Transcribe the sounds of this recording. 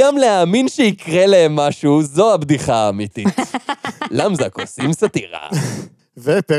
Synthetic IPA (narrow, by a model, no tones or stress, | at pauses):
amleaːminʃeikʁeleemːaʃuzo̞habd̪iχaaːmit̪it | lamzako̰simsat̪iʁa̰ | vepe